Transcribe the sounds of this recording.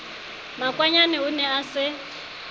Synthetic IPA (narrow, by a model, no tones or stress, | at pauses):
makʼwaɲanɛunɛasɪ